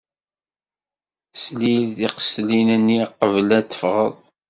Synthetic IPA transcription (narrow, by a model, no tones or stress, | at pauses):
slilðiqə̥slinənːiqəvlæt̪ːə̥fʁəðˤ